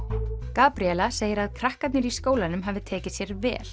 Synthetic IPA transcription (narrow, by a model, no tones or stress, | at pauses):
kaːpɾiɛlaseːjɪɾaðkʰɾahkat̪nɪɾiskoːwlanʏmɦavɪt̪ʰɛːcɪsjɛɾvɛ̰ːl